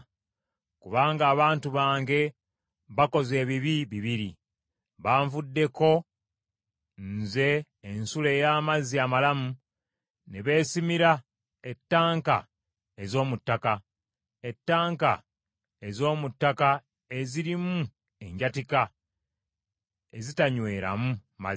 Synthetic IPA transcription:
kuβaːŋɡaːβaːntuβaːŋɡe̞ | βako̞ze̞ːβiβiβiβiɾi | βaːɱvudːe̞ko̞ | nze̞ː | nsule̞ːjaːmaziamalamu | neβe̞ːsimiɾa | etːaːŋka̰ | ezo̞ːmutːaka | e̞tːaːŋka̰ | ezo̞ːmutːaka | e̞ziɾimu | e̞ɲɟatika | ezitaɲwe̞ːɾa̰muma̰

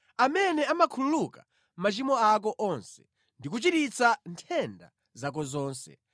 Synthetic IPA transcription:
amɛnɛamakʰululuka | mat͡ʃimɔak̬ɔʔɔnsɛ̥̰ | ndik̬ut͡ʃitit͡santʰɛnda̰ | zak̬ɔzɔːnsɛ̰

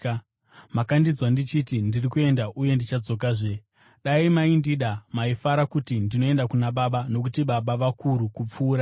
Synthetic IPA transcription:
makandid͡zwandit͡ʃitindirikue̞ndaʔuje̞ndit͡ʃad͡zo̞k̬aʐe̞ | ɗaimaindiɗamaifaɾakutindino̞e̞ndakunaɓaɓano̞k̬utiɓaɓaʋakuɾukup͡fuːɾa

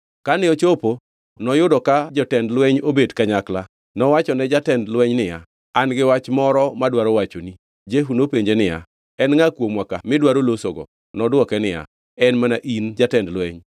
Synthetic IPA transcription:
kanɪɔt͡ʃopo | nɔjʊdɔkad͡ʒɔtɛndlwɛɲobedkaɲakla | nɔwat͡ʃɔnɛd͡ʒatɛndlwɛɲnɪja̰ | anɡɪwat͡ʃmɔɾɔmadwaɾowat͡ʃoni | d͡ʒeɦunopeɲd͡ʒenɪja̰ | ɛnŋakwomwakamɪdwaɾolosoɡɔ̰ | nɔdwɔkɛnɪja̰ | ɛnmanaʔind͡ʒatɛndlwɛɲ

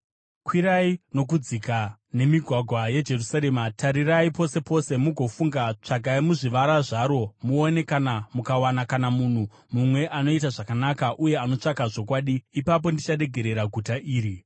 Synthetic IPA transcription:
kwiɾaino̞k̬ud͡zikane̞miɡʱwaɡʱwaje̞d͡ʒe̞rusaɾe̞ːmatʰaɾiraipo̞se̞po̞se̞muɡʱo̞fuŋɡat͡ʂaɡʱaimuʐiʋaɾaʐaɾo̞muone̞kanamukawanakanamun̤u | mumwe̞ʔano̞itaʐakanakaʔuje̞ano̞t͡ʂakaʐo̞kwaːɗiːpap̬o̞ndit͡ʃaɗe̞ɡʱe̞ɾe̞ɾaɡʱutaʔiːɾi

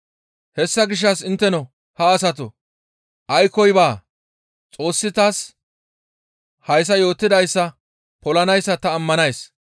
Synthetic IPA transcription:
hɛsːɐɡɪʃ̬ːɐsɪnt̪ːɛnɔ | hɐːs̬ɐt̪̬ɔ | ʔɐjkːɔjbaː | t͡sʼo̞ːsːɪt̪aːs | hɐjs̬ɐjo̞ːt̪ːɪd̪ɐjsːɐ | pɔlɐnɐjsːɐt̪ɐːmːɐnɐjs

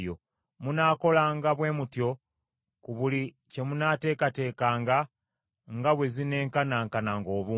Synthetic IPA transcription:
jo̰ | munaːko̞laːŋɡaβwe̞ːmutjo̞ | kuβuli | ce̞munaːte̞ːkate̞ːkaːŋɡa | ŋɡaβwe̞zine̞ːŋkanaŋkanaŋɡo̞ːβuː

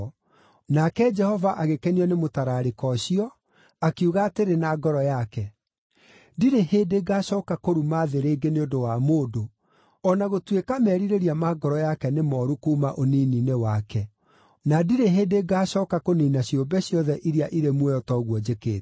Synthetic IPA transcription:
nakɛd͡ʒɛhɔvaʔaɣekɛniɔnemotaɾaːɾekɔɕiɔ | akiuɣateɾenaːɡɔɾɔjakɛ | diɾeheːdeɡaːɕɔːkakoɾumaːðeɾeːɡeneondowamoːdo | ɔnaɣotwekamɛɾiɾeɾiamaɡɔɾɔjakɛnemɔːɾukuːmaʔoniːninewakɛ | nadiɾeɦeːdeɡaːɕɔːkakoniːnaɕjobɛɕjɔðɛʔiɾiaʔiɾemwɛɔtɔːɣwɔd͡ʒekḛːt

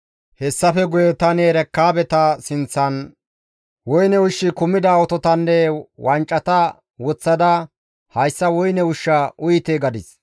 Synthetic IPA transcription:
hɛsːɐfɛɡʊjɛt̪ɐneːɾɛkːaːbɛt̪ɐsɪnt͡sːɐn | wɔjnɛʊʃːɪkʊmɪd̪ɐɔt̪ɔt̪ɐnːewɐnt͡ʃʼːɐt̪ɐ | wɔt͡sːɐd̪ɐ | hɐjsːɐwɔjnɛʊʃːɐʊjɪt̪eːɡɐd̪ɪs

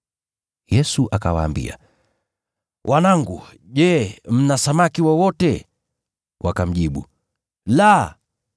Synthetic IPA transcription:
jɛsuʔakawa̰ːmbḭa̰ | wʔanaŋɡṵ | ʄɛm̩nasamakiwɔwɔtɛ | wʔakam̩ʄiɓṵ | la

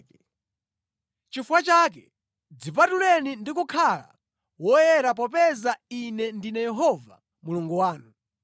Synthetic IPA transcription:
t͡ʃifwat͡ʃaːk̬ɛ | d͡zipatulɛnindikukʰala̰ | wɔjɛɾap̬ɔpɛzainɛndinɛjɛɦɔva̰ | muluŋɡuwaːnu

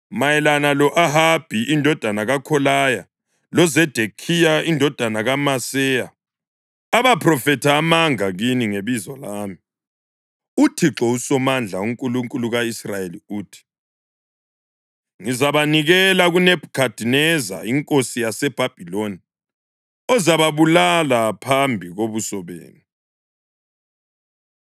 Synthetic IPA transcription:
majɛlanalɔʔaɦab̥ʱiʔindʱɔd̥ʱanaɣakʰɔlaja | lɔzɛd̥ʱekʰijaindʱɔd̥ʱanaɣamasɛjaː | βapʰrɔfɛtʰaːmaŋaɣiniŋeβizɔlaːmi | utʰiǁɔusɔmand͡ɮʱauŋkʼuluŋkʼuluɣaisrajeliuːtʰi̥ | ŋizaβaniɣɛlaɣunɛb̥ʱukʰad̥ʱinɛza̰iŋkʼosijasɛb̥ʱab̥ʱiloni | ɔzaβaβulalapʰambʱiɣoβusɔβḛːni

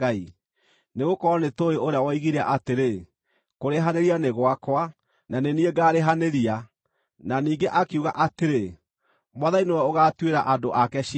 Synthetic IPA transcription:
ai | neɣokɔɾɔnetoeʔoɾeawɔiɣiɾaʔateɾe | koɾeɦaneɾianeɣwakwa | nanenieɡaːɾeɦaneɾia | naniːɡeʔakiuɣaʔateɾe | mwaðainewɛoɣaːtweɾaʔadoʔakɛʃi

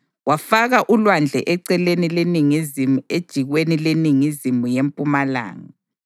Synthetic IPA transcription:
wafaɣaʔulwand͡ɮʱɛ̰ʔɛǀɛlenileniŋizimued̥ʒ̥ʱiɣwenileniŋizimujempʼumala̰ːŋa

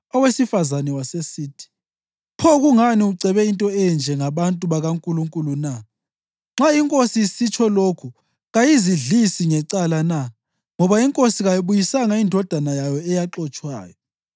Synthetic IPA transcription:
ɔwesifazanɛwasesiːtʰi̥ | pʰɔɣuŋaniuǀʱɛβɛintʼɔɛɛnd͡ʒʱɛŋaβantʼuβaɣaŋkʼuluŋkʼuluna | ŋ͡ǁaiŋkʼosisit͡ʃʰɔlokʰu | ɣajiziɮisiŋɛǀalana | ŋɔβaiŋkʼosiɣajiβujisaŋaindʱɔd̥ʱanajajɔɛjaǁɔt͡ʃʼwa̰ːjɔ

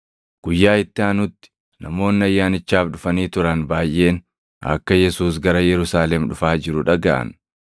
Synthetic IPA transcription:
ɡ̥ʊjːaːɪt̪ːɪanʊt̪ːɪ̥ | nɐmo̞ːnːɪɐjːaːnɪt͡ʃːaːfᶑʊfɐniːt̪ʊɾɐnbaːjʔːe̞ːn | ɐ̰kːɐjɛsuːs̬ɡɐɾɐjɛɾʊsaːlɛmᶑʊfaːd͡ʒɪɾʊᶑɐɡaʔɐ̰n

